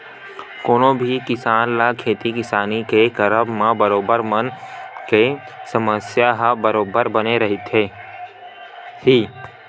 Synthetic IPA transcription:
koːnõbʱikɪsaːnlakʰeːt̪ikɪsaːnikekɐɾəbmãbɐɾoːbəɾmənke | sɐməsjaɦbɐɾoːbəɾbɐneɾɐɦit̪ʰeː | hiː

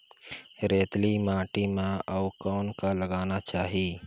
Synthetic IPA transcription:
ɾeːt̪limãːʈimãɔːkɔːnkaləɡaːnat͡ʃaːɦiː

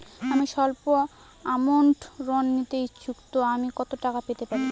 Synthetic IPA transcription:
amiʃɔlpo | amoɳʈɾɔnːit̪eit͡ɕukt̪oamikɔt̪oʈakapet̪epaɾi

